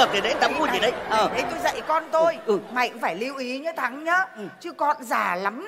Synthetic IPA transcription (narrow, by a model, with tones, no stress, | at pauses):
ə˨˩t̪ʰi˨˩ɗe˨˦nt̪a˨˦mku˧zi˨˩ɗə˨˦jəː˨˩e˨˦jt̪o˧jzə̰˧˨jkɔ˧nt̪o˧jʔɨ˨˩ma̰˧˨jŋ̟faː˧˩jli˧əwʔi˨˦ɲɨ˨˦t̪ʰa˨˦ŋɲəː˨˦˨t͡ɕɨ˧əkɔ̰˧˨nzaː˨˩la˨˦m